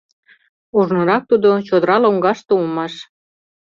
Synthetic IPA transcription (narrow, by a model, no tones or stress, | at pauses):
uʒnɤ̆ɾɑk̚t̪ud̪ot͡ɕod̪əɾɑloŋɡɑʃt̪oumɑʃ